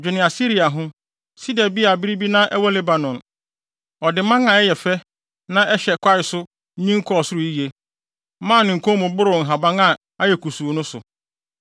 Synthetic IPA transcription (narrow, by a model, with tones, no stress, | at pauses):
d͡ʑᶣɪ˨nɪ̃˨a˨si˦ɾi˨a˨ɦʊ̃˦ | si˦dɛ˨bi˦a˨bi˦ɾi˦bi˦nã˦ʔɛ˦wɔ˦le˦ba˨nɔ̃˨n | ɔ˨dɪ˨mã˦ŋã˨ɛ˦jɛ˨fɛ˦ | nã˦ʔɛ˦ɕɛ˨kʷʰa˦ɪ˨sʊ˦ | ɲĩ˦ŋ̩˦kʰɔ˦˨sʊ˦ɾʊ˨i˦je˨˦ | mã˦˨nɪ̃˨ŋ̩˨kʰɔ̃˦mʊ̃˨bʊ˦ɾʊ˨ŋ̩˨ɦa˨bã˦ŋa˦ | a˦jɛ˨kʰu˨su˨o˨nʊ̃˦sʊ̰˨